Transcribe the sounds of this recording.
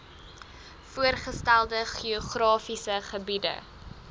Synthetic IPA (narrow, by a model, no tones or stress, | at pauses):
fuərχəstælˠdəχioχrɑːfisəχəbidə̰